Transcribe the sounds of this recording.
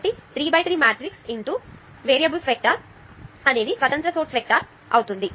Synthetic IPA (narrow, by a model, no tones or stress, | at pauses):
ʈit̪ɾiːbɐjʈ̪ɾiːmaːʈɾiksiɳʈ̪u | ʋeːɾiɐbulʋek̚ʈɐɾ | ɐneːd̪isʋɐt̪ɐnt̪ɾɐsoːʈsfek̚ʈɐɾ | ɐ̰wut̪und̪i